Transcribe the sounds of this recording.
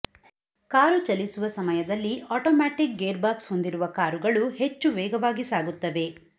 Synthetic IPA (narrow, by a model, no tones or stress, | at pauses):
kaːɾut͡ʃɐlisuʋɐsɐmɐjɐd̪ɐlːiaːʈoːmaːʈik̚ɡeːɾbaːksho̞nd̪iɾuʋɐkaːɾuɡɐɭuhe̞t͡ʃːuʋɛːɡɐʋaːɡisaːɡut̪ːɐʋe̞